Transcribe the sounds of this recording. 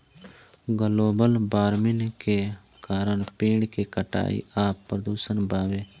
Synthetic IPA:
ɡəloːbəlbaːɾmɪnke | kaːɾəɳpiːɳkekəʈa̰ːḭaːpːɾəd̪uːsənbaːʋeː

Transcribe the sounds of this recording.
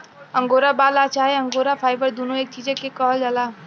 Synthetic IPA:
ə̃ŋɡoɾabaːlat͡ʃaːɦeəŋɡoːɾapʰaːjbəɾd̪unoeːk̚t͡ʃid͡ʒekːekəɦəld͡ʒala

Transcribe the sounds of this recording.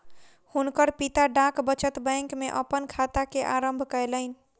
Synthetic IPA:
hunkəɾpit̪aɖãkbət͡ʃət̪bə̃jŋkmeʔəpənkʰat̪akeʔaɾəmbʱkəjləɪnĭ

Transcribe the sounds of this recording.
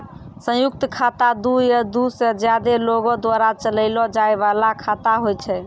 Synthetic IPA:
sə̃juk̚t̪əkʰat̪ad̪ujəd̪used͡ʒjad̪eloɡɔd̪waɾat͡ʃələlɔd͡ʒaeβalakʰat̪aɦojt͡ʃʰɛ

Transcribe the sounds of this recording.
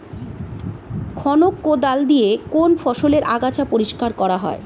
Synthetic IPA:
kʰɔnokːod̪ald̪ijekonfɔʃoleɾʔaɡat͡ɕapoɾiʃkaɾkɔɾaɦɔ̰e

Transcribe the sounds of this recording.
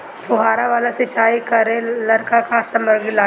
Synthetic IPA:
pʊɦaːɾaʋaːlasɪt͡ʃaːikɐɾẽlɐɾkakasə̃məɾɡɪlaː

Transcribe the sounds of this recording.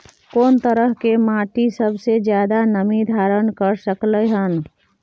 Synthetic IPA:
koːnt̪əɾəɦkemaːʈisəbʱsed͡ʒjaːd̪anəmid̪ʱaːɾənkəɾsəkləɦən

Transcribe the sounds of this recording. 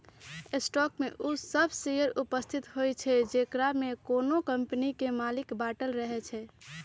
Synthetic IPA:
esʈɔkmeʔusəbʱsijəɾupəst̪ʰit̪ɦojt͡ʃʰɛd͡ʒekɾamekonokəmpnikemalikbaʈəlɾəɦɛt͡ʃʰɛ

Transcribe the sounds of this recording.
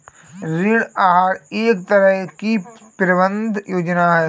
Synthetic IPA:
ɾiɽaːɦaːɾeːkt̪əɾəɦki | pɾəbə̃nd̪ʱjoːd͡ʒnaɦɛ

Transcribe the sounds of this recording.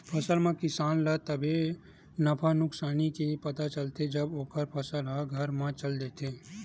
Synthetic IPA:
pʰɐsəlmãkɪsaːnlət̪əbʱe | nəpʰanʊksaːnikepɐt̪at͡ʃəlt̪ed͡ʒəboːkəɾpʰəsəlɦaɡʱəɾmãt͡ʃəld̪eːt̪ʰeː

